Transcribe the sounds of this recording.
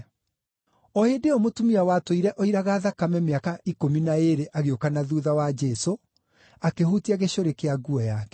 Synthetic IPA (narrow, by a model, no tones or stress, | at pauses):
ɔedeɔmotumiawatwoiɾɛʔɔiɾaɣaðakamɛmeakaʔikominaeɾeʔaɣeokanaðuðawad͡ʒɛso | akeɦutiaɣeʃoɾekeaɡuɔjakɛ̥